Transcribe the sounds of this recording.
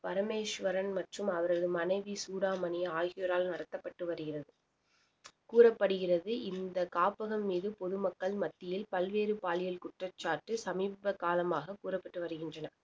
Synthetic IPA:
pɐɾɐmeːʂʋɐɾɐnmɐʈrɯmɐʋɐɾɐðɯmɐnɐɪʋisuːɽaːmɐnɪjɐaːɣɪjɔɾaːlnɐɾɐt̪ːɐpːɐʈːɯʋɐɾɯɣɪrɐðɯ | kuːrɐpːɐɽɯɣɪrɐðɯʔɪnd̪ɐkaːpɐɣɐmːiːðɯpɔðɯmɐkːɐɭmɐt̪ːɪjɪlpɐlʋeːɾɯpaːlɪjɐlkʊʈrɐt͡ʃːaːʈːɯsɐmiːbɐkaːlɐmaːɣɐkuːrɐpːɐʈːɯʋɐɾɯɣɪndrɐnɐ

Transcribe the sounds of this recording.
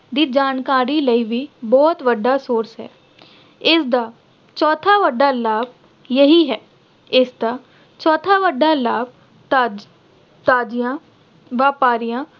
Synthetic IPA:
d̪iːd͡ʒaːnkaːɾiːləiːʋiːbɔːt̪ʋəɖːaːsoːɾsɦɛ̰ː | ɪsd̪aː | t͡ʃɔːt̪ʰaːʋəɖːaːlaːb̚ | jəɦiːɦɛː | ɪsd̪aː | t͡ʃɔːt̪ʰaːʋəɖːaːlaːb̪̚ | t̪aːd͡ʒijãː | ʋaːpaːɾijãː

